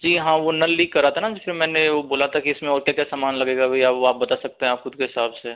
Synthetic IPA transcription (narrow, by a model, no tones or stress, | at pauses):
d͡ʒiːɦãʋonɐlːiːkːɐɾːaːt̪ʰanad͡ʒifʰɪɾmɛ̃ːneʋoboːlat̪ʰakiɪsmẽɔːɾkjakjasaːmaːnlɐɡeːɡabʱiaːʋoaːp̚bɐt̪asɐk̚t̪eɦɛ̃aːpxʊd̪̚keɦɪsaːbse